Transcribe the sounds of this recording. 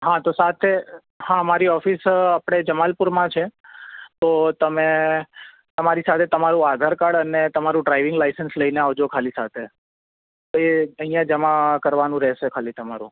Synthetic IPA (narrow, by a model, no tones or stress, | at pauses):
ɦãt̪osat̪ʰe | hãmaɾiɔfisapɽ̃ed͡ʒəmalpuɾmãt͡ʃʰet̪ot̪əme | t̪əmaɾisat̪ʰet̪əmaɾũad̪ʱaɾkaɽənet̪əmaɾũɖɾaiʋɪŋɡlaisənsləineaʋd͡ʒokʰalisat̪ʰe | t̪oeəɦĩjãd͡ʒəmakəɾʋanũɾɛʃekʰalit̪əmaɾṵ̃